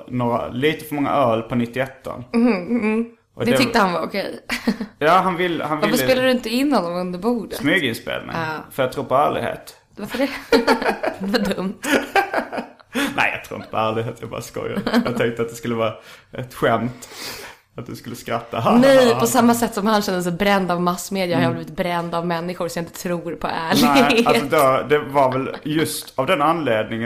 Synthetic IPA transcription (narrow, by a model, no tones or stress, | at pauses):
noːɾa̰liːt̪əfœɾmɔŋːa̰ʔœːlpʰɔnɪt̪ːɪɛt̪ːɔ̰n | ʔɔd̪ɛt̪ɛʏkt̪əhanvaɾʊkʰɛjjɑːɦanvɪlːhanaɪlfəsːspeːlad̪ɵɪnt̪əɪnːɔnːɔmɵnd̪əɾbuːd̪əsmʏɡəɪnspḛːlnɪ̰ŋfœɾjɑt̪ʰɾuːɾpʰɔæːɭɪ̰ɡhḛːt̪ | vaɾfəɖɛ | d̪ɛvaɖɵmt̪ | nɛ̰ɪjɑ̰t̪ʰɾṵːɾɪnt̪əpʰɔæːɭɪɡɦeːt̪jabɑ̰ːɾaskɔ̰ja̰jɑːɛŋkt̪əat̪̚d̪ɛskɵlːəvɑːaʔɛt̪ɧɛmt̪ | at̪̚d̪ɵskɵlːəskɾat̪ːaɦanɛjpʰɔsamːasɛt̪ːsɔmhanɕɛnd̪əsɛbɾɛnd̪avmasːmeːd̪jəɾhaɾjabliːvɪt̪̚bɾɛnd̪avmɛnːɪɧʊɾsɔmjaɪnt̪ət̪ʰɾuːɾpʰɔ̰ʔæːɭɪasɔd̪ɛd̪ɛvaɾvɛljɵst̪avd̪ɛnanleːd̪nɪŋ